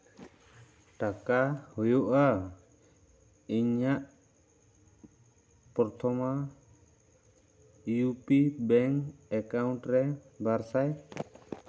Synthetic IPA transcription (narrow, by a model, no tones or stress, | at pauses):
ʈakahɔjɔʔa | iɲaʔ | pɔɾt̪ʰɔma | jupibɛŋɛkauɳʈɾɛ | baɾsaj